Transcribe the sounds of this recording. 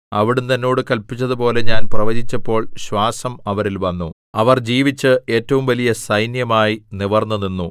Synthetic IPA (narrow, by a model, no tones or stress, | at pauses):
ɐʋiɽumt̪ɐnːo̞ːɽɨkɐlpːit͡ɕːɐðupo̞ːle̞ɲaːnprɐʋɐd͡ʑit͡ɕːɐpːo̞ːɭɕwaːsɐmɐʋɐɾilʋɐnːu | ɐʋɐrd͡ʑiːʋit͡ɕːɨe̞ːtːɐʋumʋɐlijɐsɐjnjɐmaːjiniʋɐrnːɐninːu